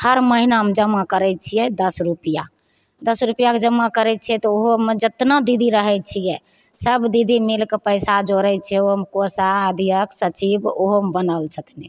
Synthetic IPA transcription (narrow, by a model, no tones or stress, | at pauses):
həɾməɦinamed͡ʒəmːakəɾɛt͡ʃʰijɛd̪əsɾupija | d̪əsɾupijaked͡ʒəmːakəɾɛt͡ʃʰiɛt̪ɔoɦomed͡ʒət̪nad̪id̪ʱiɾəɦɛt͡ʃʰijɛ | səbd̪id̪ʱimelkepəɪsad͡ʒoɾɛt͡ʃʰɛomkosaːd̪ʱijəksət͡ʃiboɦombənəlt͡ʃʰət̪nɛ